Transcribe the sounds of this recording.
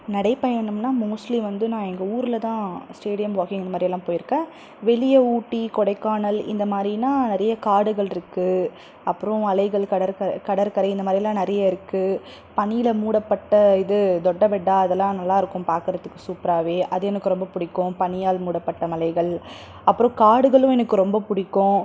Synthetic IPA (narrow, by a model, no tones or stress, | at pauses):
nɐɽɐɪpɐjɐnɯmnaːmuːslimʋɐnd̪ɯnãːɛŋɡɐuːɾɪlɐt̪ãːsʈeːɽɪjɐmʋoːɣɪ̃ŋɡɪnd̪ɐmaːd̪ɾɪɛlːãːpoːjɪɾɯkːẽː | ʋɛɭɪjɐuːʈːikɔɽɐɪkːaːnɐlɪ̰nd̪ɐmaːd̪ɾinãːnɪɾɐjɐkaːɽɯɣɐɭɪɾɯkːɯ | ɐpːɯɾɔ̃ɐlɐɪɣɐɭkɐɽɐɾkɐɾkɐɽɐɾkɐɾɐɪɪnd̪ɐmaːd̪ɾɪɛlːãːnɪɾɐjaɪɾɯkːɯ | pɐnɪjɪlɐmuːɽɐpːɐʈːɐɪðɯd̪ɔɖːɐʋɛɖːaːɐðɛlːãːnɐlːaːɪɾɯkːʊ̃mpaːɾkɯɾɐt̪ːɯkːɯsuːpɪɾaːʋeːʔɐðɯɛnɐkːɯɾɔmbɐpʊɽɪkːʊ̃pɐɳɪjaːlmuːɽɐpːɐʈːɐmɐlɐɪɣɐɭ | ɐpːɯɾõkaːɽɯɣɐɭɯ̃ɛnɐkːɯɾɔmbɐpʊɽɪkːʊ̃